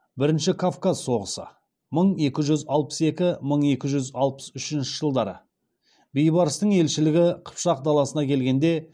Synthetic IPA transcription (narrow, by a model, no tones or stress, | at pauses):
bɪɾɪnʃɪkʰafkazso̞ʁəsə̰ | məɴe̞kʲɪʒʏzɑlˠpə̥se̞kʲɪməɴe̞kʲɪʒʏzɑlˠpə̥sʏʃɪnʃɪʒ̥əlˠd̪ɑɾə̰ | bejbɑɾəst̪əɴe̞lʃɪlɪɡʲɪqʰə̥pʃɑq̚d̪ɑlˠɑsənɑkʲʰe̞lɡʲe̞nd̪e̞